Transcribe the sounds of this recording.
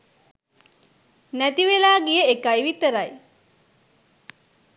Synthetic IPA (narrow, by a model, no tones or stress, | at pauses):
næt̪iʋelaːɡijəekajʋit̪əɾaj